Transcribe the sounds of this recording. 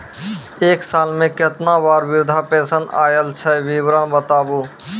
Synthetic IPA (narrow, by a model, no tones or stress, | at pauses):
eːksalmẽket̪nabaːɾbiɾd̪ʱapẽsəna̰jəlt͡ʃʰɛʋiʋɾənbət̪aːbu